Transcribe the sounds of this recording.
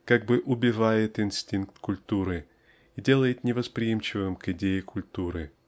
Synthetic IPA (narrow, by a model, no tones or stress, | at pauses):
kaɡ̚bɨʔʊbʲɪvajɪt̪ɪnsʲtʲinkt̪kʊlʲt̪uɾɨ | idʲe̞lˠəjɪt̪nʲɪvəspɾʲɪjimt͡ɕɪvɨmkɪdʲejɪkʰʊlʲt̪uɾɨ